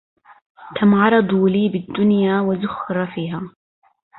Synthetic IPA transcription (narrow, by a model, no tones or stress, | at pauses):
t̪amʕɑɾˤɑd̪ˤuːliːbɪd̪ːʊnjaːwazʊxːɪɾˤfiːɦaː